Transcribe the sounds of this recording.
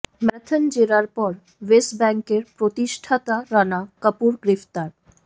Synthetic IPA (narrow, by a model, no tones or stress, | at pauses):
mɛt̪ʰənd͡ʑeɾaɾpɔɾ | wesʈbɛŋkeɾpɾot̪iʃʈʰat̪aɾanakəpuɾɡɾift̪aɾ